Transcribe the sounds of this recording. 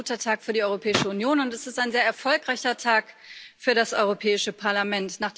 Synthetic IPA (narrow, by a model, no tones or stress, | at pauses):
utɐtʰaːkfyːɐdiɔʏʁopʰɛːɪʃəunjoːnʊntɛsɪstaɪnzeːɐɛɐfɔlkʁ̥aɪçɐtʰaːkfyːɐɾasʔɔʏʁopʰɛːɪʃəpʰaɐlamɛntnaːχd̥